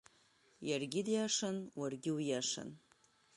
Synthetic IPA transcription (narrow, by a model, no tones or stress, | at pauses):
jarɡʲid̪jaʂɐnwɐrɡʲɪwjaʂɐ̰n